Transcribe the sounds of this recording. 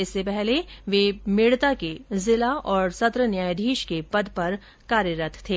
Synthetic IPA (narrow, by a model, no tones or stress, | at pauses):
ɪsːepɛɦleʋeːmɪːɽt̪akezɪlaɔːɾsɐt̪ɾənjaːjd̪ʱiːʃkepɐd̪pɐɾ | kaːɾjəɾət̪ʰt̪ʰːeː